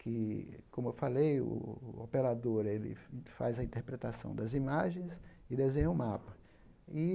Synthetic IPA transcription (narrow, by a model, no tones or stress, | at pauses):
kʰɪkõmʊewfalejʊ̰opeɾad̪oɾelɪ̰fa̰jzɐĩt̪eɾpɾet̪asɐ̰̃w̃d̪ɐzimaʒẽj̃s | ɪd̪ezẽɲɐʊmapɐ | ɪ